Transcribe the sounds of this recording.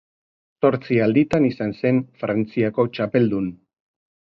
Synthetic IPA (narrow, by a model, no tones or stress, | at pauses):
so̞ɾt͡siald̪it̪anisanse̞ɱfɾant͡siako̞t͡ʃape̞ld̪un